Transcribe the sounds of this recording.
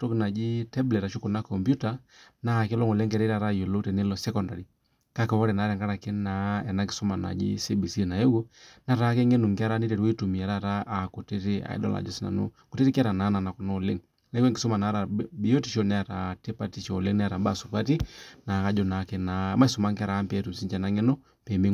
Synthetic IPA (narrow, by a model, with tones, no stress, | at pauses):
to˦kna˨d͡ʒi˦tɛ˦blɛ˨ta˨ʃo˦ko˨na˦kɔ˨mbju˦ta˨ | na˦˨ke˦lo˦ŋo˨le˦ŋkɛ˨ɾe˦ɾa˨ɾa˦jo˨lo˦tɛ˨ne˦lɔ˨sɛ˦kɔ˨nda˨ɾi˨ | ka˦kɛ˨wɔ˦ɾɛ˨na˨˦ɾɛ˨ŋɡa˦ɾa˨ke˦na˨ɛ˨na˦ŋki˨sɔ˦ma˨na̰˨d͡ʒḭ˦se˦bi˨si˦˨na˨je˦wo˦na˦ɾa˨˦kɛ˦ŋe˦nu˨ŋkɪ˦a˦ɾa˦nɪ˦te˨ɾi˦wi˦tu˨mi˨ɛ˨ɾa˦˨ɾa˦ʔːko˨te˦te˦a̰˨ḭ˦dɔ̰˦la̰˨d͡ʒo̰˦si˦na̰˨no̰˦ | ko˨te˦tɪ˦kɪ˦a˦ɾa˨na˨˦na˨na˨kɔ˨no˦˨lḛ˦ŋ | n˨e˦o˦ŋɡɪ˨sɔ˦ma˨na˨˦ɾa˨bi˦jo˦ti˨ʃo˦nɛ˦a˨ɾa˨te˦pa˦ti˨ʃo˨le˦ŋnɛ˦a˨ɾa˨ba˦˨su˨pa˦ti˦na˨ka˦d͡ʒɔ˦na˨˦ke˨na˨˦ma˦su˨ma˦ŋka˦˨ɾa˨˦mpɛ˨tu˨msi˦ɲt͡ʃɛ˨na˦ŋe˦no˦ | pɛ˨mbe˦